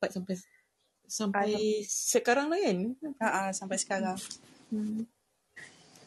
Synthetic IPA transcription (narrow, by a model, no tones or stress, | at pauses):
pat̪̚sampaj | samajsəkaɾaŋlajənaʔasampajsə̥kaɾaŋ̩